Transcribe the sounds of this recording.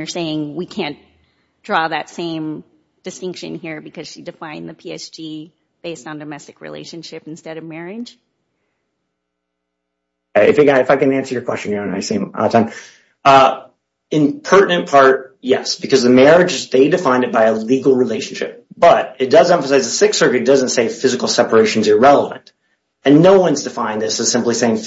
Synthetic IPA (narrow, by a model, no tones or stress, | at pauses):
ə˞seɪɪ̃ŋwikʰæ̃n | d̥ɹɔðɨtsẽɪ̃m | d̥ɨstɪ̃ŋkʃɨ̰̃nhiɹbɨkʰʌz̥ʃidɨfãɪ̃nðɨpʰiḛɪt͡ʃd͡ʒ̥i | b̥eɪstn̩dɨmɛstɨ̥kɹḭlḛɪʃɨ̃nʃɪpn̩stɛɾʌvmɛɹɪd̥ʒ̥ | eɪɨ̰fjɨɡɑɾɨfaɪkɨ̃næ̃nsə˞jə˞kʰw̥ɛst͡ʃɨ̃n̩jəõna̰ɪsĩmɔ̰ðətʰãɪ̃m | ɨ̃npʰɜ˞ʔnɨ̃npʰɑɹt̚jɛsb̥ɨkʰʌzðɨmɛɹɨd͡ʒɨzðeɪdɨfãɪ̃nɨt̚b̥aɪəliɡl̩ˠɹileɪʃn̩ʃɪ̰p̚b̥ʌɾɨt̚d̥ʌzɛ̃ɱfəsaɪzðɨsɪksɜ˞kɨɨd̥ʌzɨ̃ntseɪfɪzɨkl̩ˠsɛpə˞eɪʃn̩zə˞ɹɛlˠəvɨ̰̃nt | ɨ̃nːoʊwʌ̃nzdɨfãɪ̃nðɪsɨz̥sɪ̃mpliseɪɪ̃ŋ